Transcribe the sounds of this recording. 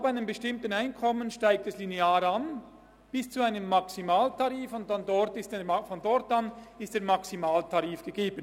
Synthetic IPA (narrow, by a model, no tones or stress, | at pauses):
abaɪnəmbəʃtɪmtənaɪnkʰɔmənʃtaɪk̚tɛslineaːɾan | b̥ɪst͡suaɪnəmːaksimaːltʰaʁiːfʊnt̚dandɔɾtɪstfɔndɔtanɪstd̥eːɐmaksimaːltʰaʁiːfɡ̥əɡeːbən